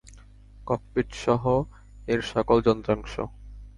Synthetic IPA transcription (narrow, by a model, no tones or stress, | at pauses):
kɔppiʈʃɔɦo | eɾʃɔkold͡ʑɔnt̪ɾaŋʃo̰